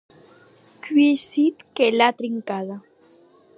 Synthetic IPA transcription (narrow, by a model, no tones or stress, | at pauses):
kesit̪kelat̪ɾiŋkaða